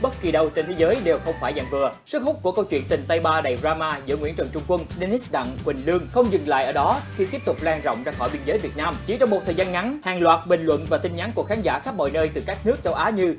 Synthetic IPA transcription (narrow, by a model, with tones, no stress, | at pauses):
ɓə˦˥t̚ki˨˩ɗə˧wt͡ɕe˧nt̪ʰe˨˦jzəː˨˦jɗe˨˩wxə˧wŋ͡mfaː˧˩jza˧˩ŋvɨ˨˩əsɨ˦˥k̚hʊ˦˥k͡p̚ku˧˩əkə˧wt͡ɕwḭ˧˨ənt̪ï˨˩ŋ̟t̪a˧jɓaː˧ɗa˨˩zaː˧maː˧zɨ̰˧˥ŋwḭ˧˥ənt͡ɕəː˨˩nt͡ɕʊ˧ŋ͡mkwə˧ŋɗe˧ni˦˥sɗa̰˧˨ŋkwï˨˩ŋ̟lɨ˧əŋxə˧wŋ͡mzɨ˨˩ŋla̰ː˧˨jʔəː˧˩ɗɔ˨˦xi˧t̪i˦˥əp̚t̪ʊ˨˩k͡p̚laː˧ŋzɔ̰˧˨wŋ͡mzaː˧xɔ˧˩jɓi˧ənzəː˨˦jvi˨˩ət̚naː˧mt͡ɕi˧˩t͡ɕɔ˧wŋ͡mmo˨˩t̪ʰəː˨˩jzaː˧nŋa˨˦nhaː˨˩ŋlwaː˨˩t̚ɓï˨˩ŋ̟lwə̰˧˨nvaː˨˩t̪ï˧ŋ̟ɲa˨˦nku˧˩əkxʰaː˨˦nza̰ː˧˩xa˦˥p̚mɔ̰˧˨jnəː˧jt̪ɨ˨˩kaː˦˥k̚nɨ˦˥ək̚t͡ɕə˨˧wʔaː˨˦ɲɨ˧